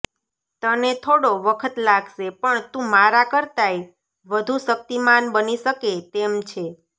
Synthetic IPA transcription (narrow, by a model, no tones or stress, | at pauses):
t̪ənet̪ʰoɽoʋəkʰət̪laɡʱʃepəɳt̪ũmaɾakəɾt̪aj | ʋəd̪ʱũʃək̚t̪imanbəniʃəket̪emt͡ʃʰe